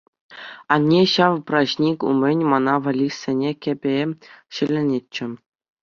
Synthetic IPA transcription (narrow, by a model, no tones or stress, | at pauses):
ɑnʲːeɕɑʋprɑɕnʲikʲṵmʲɘ̆nʲmɑnɑʋɑ̆lʲisʲenʲekʲĕbʲeɕɘ̆lʲĕnʲet͡ɕːɘ̆